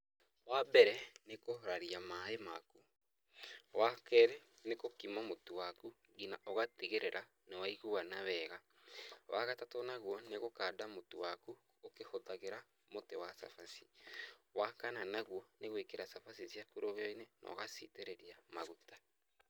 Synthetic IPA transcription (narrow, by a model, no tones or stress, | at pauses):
wabɛɾɛnekoɾaɾiamaemaku | wakɛɾɛ | nekokimamotuwaku | ɡinaʔɔɣateɣeɾeɾʔa | newaiɣuwanaβɛːɣa | wʔaɣatatɔnaɣwɔneɣokaːdamotowaku | okehotaɣeɾa | motewasa̰fasi̥wakananaɣwɔneɣwekeɾasafasisjakuɾoɣɔinɛnʔɔ̰ɣasḭteɾeɾiamaɣutḁ